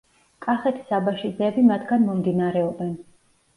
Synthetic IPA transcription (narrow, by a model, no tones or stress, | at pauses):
kʼaχɛt̪ʰi̥sabaʃid̪zɛːbimat̪ʰɡanmɔmd̪inaɾɛɔbɛn